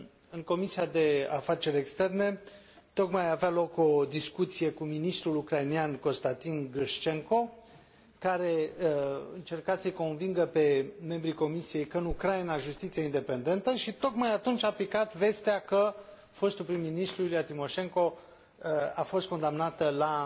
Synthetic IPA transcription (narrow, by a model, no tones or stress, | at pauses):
ɨŋko̞misiad̪e̞afat͡ʃe̞ɾʲe̞kst̪e̞rne̞ | t̪o̞kmajavealo̞ko̞d̪iskut̪sije̞kuminist̪ɾulukɾainianko̞st̪ant̪inɡɨʃt͡ʃe̞ŋko̞ | kaɾe̞ | ɨnt͡ʃe̞rkat̪səjko̞nviŋɡəpe̞me̞mbɾiko̞misije̞jkəɨnukɾajnaʒust̪it̪sijeind̪e̞pe̞nd̪e̞nt̪əʃit̪o̞kmajat̪unt͡ʃʲaplikat̪ve̞st̪eakə | fo̞st̪ulpɾimːinist̪ɾuiliat̪imo̞ʃe̞ŋko̞ | afo̞st̪̚ko̞nd̪amnat̪əla